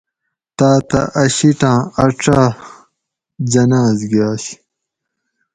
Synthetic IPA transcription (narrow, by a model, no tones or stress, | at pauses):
t̪aːt̪ɐ̰ʔɐɕiʈãːɐʈ͡ʂaː | d͡ʑɐnaːzɡiaːɕi̥